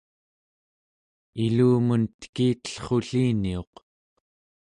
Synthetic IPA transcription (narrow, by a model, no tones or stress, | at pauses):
iluːmunt̪ə̥kiːt̪ə̥ɬχo̞ɬiːnio̞q